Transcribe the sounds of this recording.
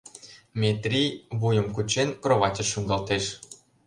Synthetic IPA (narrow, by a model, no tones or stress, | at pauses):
mʲet̪rʲijβujə̆mkut͡ɕenkroβɑt̪ʲə̆ʃuŋɡɑlt̪eʃ